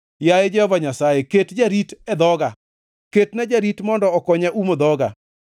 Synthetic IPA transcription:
jajed͡ʒɛhɔvaɲasajeketd͡ʒaɾitɛd̪ɔɡa | ketnɛd͡ʒaɾitmɔndɔːkɔɲaʔumod̪ɔɡa̰

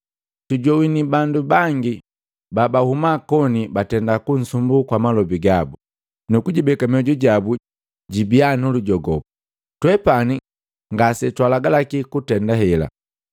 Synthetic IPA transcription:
tuɟɔwinibandubaŋɡi | babahumakɔnibatɛndakun̩sumbukwamalɔbiɡabu | nukuɟibɛkamiɔɟɔɟabu | ɟibianuluɟɔɡɔpu | twɛpani | ŋɡasɛtwalaɡalakikutɛndaɦɛla̰

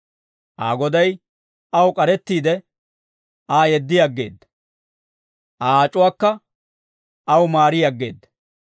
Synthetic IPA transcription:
ʔa̰ːɡɔd̪ɐj | ʔɐwkʼɐɾɛt̪ːiːd̪ɛ | ʔaːjɛd̪ːɪjɐɡːe̞ːd̪ːɐ̥ | ʔaːaːt͡ʃʼːʊwaːkːɐ | ɐwmaːɾɪjaɡːe̞̰ːd̪ːɐ̥

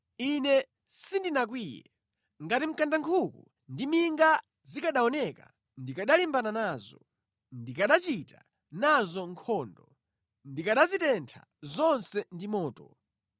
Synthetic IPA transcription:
inɛ | sindinak̬wiːjɛ̰ | ŋɡatim̩kandaŋkʰukṵ | ndimiŋɡa | zikaɗaɔnɛka | ndikaɗalimbananaːzɔ | ndikaɗat͡ʃita | nazɔŋkʰɔːndɔ | ndikaɗazitɛntʰa̰ | zɔnsɛndimɔːtɔ

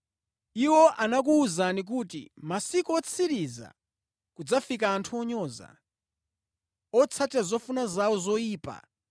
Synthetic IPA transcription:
iwɔʔanak̬uːzanik̬utḭmasikɔɔt͡sʰiɾiza̰ | kud͡zafik̬aːntʰuɔɲɔːza̰ | ɔt͡sʰatazɔfunazawɔzɔiːpa̰

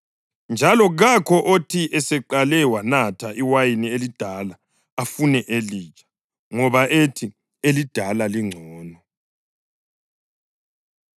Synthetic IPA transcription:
nd͡ʒʱalɔɣakʰɔʔotʰiʔɛsɛǃalɛwanatʰaʔiwajinielid̥ʱalaː | funɛʔeliːt͡ʃʰʼḁ | ŋɔβaʔetʰi | elid̥ʱalaliŋ͡ǀʱɔːnɔ

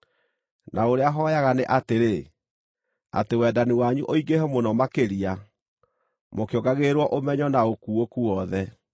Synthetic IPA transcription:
nʔaoɾeaɦɔjaɣaneʔateɾe | a̰tewɛːdaniwaɲuʔoiɡehɛmonɔmakeɾia | mokjɔɡaɣeɾwɔʔomɛɲɔnaokuokuwɔðɛ

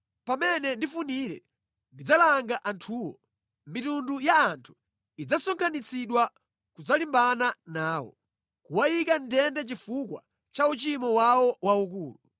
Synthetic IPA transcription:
pamɛnɛndifuniɾɛ̰ | ndid͡zalaŋɡaʔantʰuːwɔ̰ | mitundujaːntʰu̥ | id͡zasɔŋkʰanit͡siɗwa | kud͡zalimbananaːwɔ̰ | kuwajikantʰɛndɛt͡ʃifukwa̰ | t͡ʃaut͡ʃimɔwawɔwaukuːlu

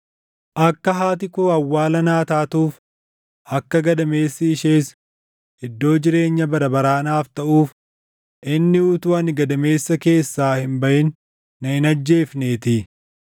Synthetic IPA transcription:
ʔɐkːɐɦaːt̪̬ɪkʊɐwːaːlɐnaːt̪aːt̪uːf | ʔɐkːɐɡɐd̪ɐme̞ːsːɪːʃeːs | ɪd̪ːo̞ːd͡ʒɪɾe̞ːɲːɐbɐɾɐbɐɾaːnaːft̪ɐʔuːf | ʔɪnːɪʊt̪uːɐnɪɡɐd̪ɐme̞ːsːɐke̞ːsːaːhɪmbɐʔɪnː | ɐhɪnɐd͡ʒːe̞ːfneːt̪ɪ

